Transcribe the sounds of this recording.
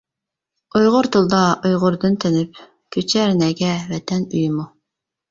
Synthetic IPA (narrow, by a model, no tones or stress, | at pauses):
ojʁʊɾt̪ʰɨlˠd̪ɑʔojʁʊɾd̪ɨnt̪ʰɪnɪp | kʲʰøt͡ʃʰɛɾnɛɡʲɛvɛt̪ʰɛnyjmu